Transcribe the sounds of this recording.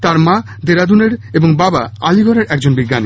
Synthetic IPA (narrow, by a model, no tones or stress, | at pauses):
t̪aɾma | d̪eɾad̪uneɾeboŋbaba̰aliɡʱɔɾeɾʔɛkd͡ʑonbiɡːani